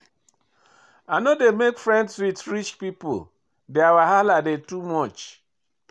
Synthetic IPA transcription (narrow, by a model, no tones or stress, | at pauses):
anodemekfɹɛ̃ndsɹitɹit͡ʃpipo̰l | deawaɦaladetumɔt͡ʃ